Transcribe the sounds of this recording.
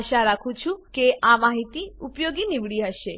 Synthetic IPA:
ʃaɾakʰũt͡ʃʰũkeʔamaɦit̪iupjoɡinɪʋɽiɦəʃe

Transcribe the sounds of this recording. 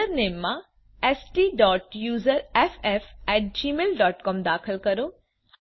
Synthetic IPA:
əɾneːmːã | eːsʈiːɖɔːʈ̚juːzəɾefɛfɛːʈ̚d͡ʒiːmeːlɖɔːʈkɔːmd̪aːkʰəlkɐɾo | h

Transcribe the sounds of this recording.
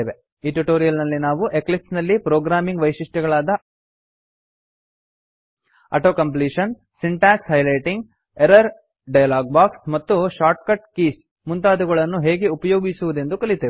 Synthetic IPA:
eːʋe | iːʈuʈo̞ːɾijɐlnɐlːinaːʋuʔe̞klip̚snɐlːipɾoːɡɾaːmiŋɡʋɐjʃiʂʈɛɡɐɭaːd̪ɐ | ɐ̰ʈoːkɐmpliːʂɐn | siɳʈaːkshɐjlɐjʈiŋɡ | eɾɐɾ | ɖɐjɐlaːɡ̚baːksmɐt̪ːuʃaːɾʈ̚kɐʈkiːs | munt̪aːd̪uɡɐɭɐnːuɦe̞ːɡe̞upɐjo̞ːɡisuʋud̪e̞nd̪ukɐɭit̪eːʋ

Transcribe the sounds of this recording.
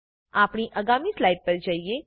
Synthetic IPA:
aːpɳ̃iʔɐɡaːmislaːɪɖ̚pɐɾd͡ʒaːie

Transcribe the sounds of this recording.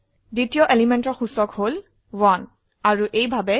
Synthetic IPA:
ditijɔʔelimentɔɹxusɔkhol | wan | aɹuʔejbʱabɛ

